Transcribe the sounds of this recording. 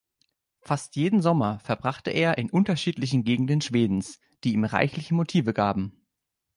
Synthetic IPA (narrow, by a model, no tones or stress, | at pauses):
fastjeːdn̩zɔmɐfɛɐbʁaχtəʔeːɐʔɪnʔʊntɐʃiːtlɪçn̩ɡeːɡŋ̩dənʃv̥eːdn̩s | d̥iːiːmʁa̰ɪçlɪçəmotʰiːvəɡaːbm̩